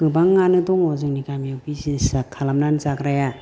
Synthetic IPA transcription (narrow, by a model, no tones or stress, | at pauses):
ɯbaŋːanɯdɔŋɔzɯŋnikamjawbizisakʰːalamnanzakɾaja